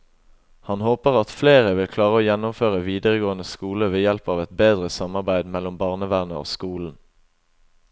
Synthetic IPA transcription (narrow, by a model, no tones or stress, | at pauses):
hɑnhoːpəʁɑt̪fleːʁəʋɪlkʰlɑːʁəoːjɛnʊmføːʁəʋiːd̪əʁəɡoːənəskuːləʋeːjɛlpɑːʋɛt̪beːd̪ʁəsɑmɑʁbæɪd̪mɛlɔmbɑːʁnəʋæʁnəo̰ːskuːln̩